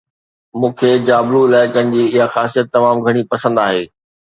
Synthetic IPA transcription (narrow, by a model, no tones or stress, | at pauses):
mũːkʰeːd͡ʑaːbɾuɪlaːɪkənɪ̆d͡ʑiːɪɦaxaːsijət̪ːɐmaːmɡʱɐɽ̃ipɐsə̃nd̪aːɦeː